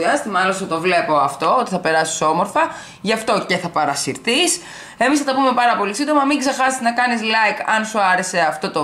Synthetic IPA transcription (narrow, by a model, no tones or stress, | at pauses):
iɐst̪imɐlosɐt̪o̞vle̞po̞ɐft̪o̞ot̪iθɐpe̞ɾɐsi̥so̞moɾfɐ | ʝɐft̪o̞ce̞θɐpɐɾɐsiɾθis | e̞misθɐt̪ɐpumepɐɾɐpo̞lisind̪o̞mɐmiŋɡzexɐssnɐkɐnislɐjkɐnsuɐɾe̞se̞ɐft̪o̞t̪o